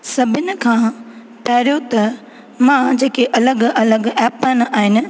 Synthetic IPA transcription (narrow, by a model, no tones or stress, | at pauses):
sɐbʱɪnɪ̆kʰãː | pɐɦɪɾjot̪ɐ | mãd͡ʑeːkeʔɐləɡɐləɡɛːpaːɪnaːɦɪnɪ̆